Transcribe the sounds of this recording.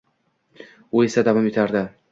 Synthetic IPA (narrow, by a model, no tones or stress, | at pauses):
ʊe̞sad̪avɒme̞t̪ʰaɾd̪ɪ